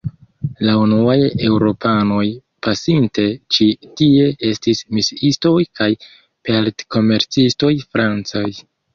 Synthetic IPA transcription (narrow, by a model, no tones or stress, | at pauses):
launuaje̞wɾo̞pano̞j | pasinte̞t͡ʃitie̞ʔe̞stismisisto̞jkaj | peltko̞me̞ɾt͡sisto̞jfɾant͡saj